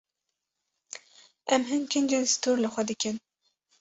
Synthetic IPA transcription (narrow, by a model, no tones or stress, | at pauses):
ʔɛmɦɨnkʰɨnd͡ʒeːnsɨ̥t̪ʰuːɾlɨxʷɛd̪ɨkɨn